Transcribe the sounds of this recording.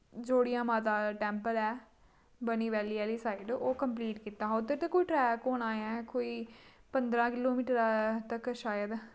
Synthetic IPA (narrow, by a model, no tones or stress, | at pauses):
d͡ʒoːɽɪjãːmaːt̪aːʈɛ̃ːmpəlɛː | bəniːʋɛːliːɛːliːsaːiɖoːkəmpliːʈkit̪aːɦoːt̪ːət̪eːkoːiːʈɾɛːkoːnaːjãkoːiːpənd̪ɾãːkɪloːmiːʈəɾt̪əkʃaːjəd̪